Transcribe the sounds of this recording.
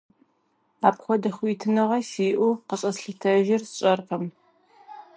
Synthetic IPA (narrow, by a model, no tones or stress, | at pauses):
aːpχʷɔdɐxʷitʰɨnɨʁɐsiːʔʷuqəɕʼɐsɬɨtʰɐʒɪrsɕʼɐrqɐm